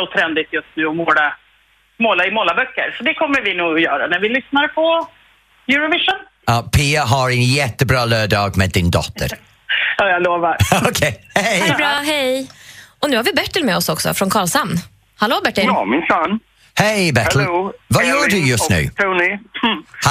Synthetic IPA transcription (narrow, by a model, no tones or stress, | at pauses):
ɔt̪ʰɾɛnd̪ɪt̪jɵst̪nʉ̟ːɔmoːla | moːlaɪmoːlabœkːəɾsɔd̪ɛkʰɔmːəɾvɪnuːɡɔjœːɾanæɾvɪlʏsnaɾpʰɔ | jʉːɾʊvɪʂən | ɑːpʰiːaɦaɾɛnjɛt̪ːəbɾɑːlœːɖɑːɡmɛːd̪ːɪnd̪ɔ̰t̪ːə̰ɾ | ɑːjaloːvaɾokʰeɪhejbɾɑːɦɛj | ɔnʉ̟ːhaɾvɪbɛʈːəlmɛːɔsɔksɔ̰fɾɔnkʰɑːɭsanː | haloːbɛʈːəlːmɪnsɑn | hejbɛt̪ʰəl̩vajœːɖɵjɵst̪nʉ̟̰ːt̪ʰɾuːnɪ | h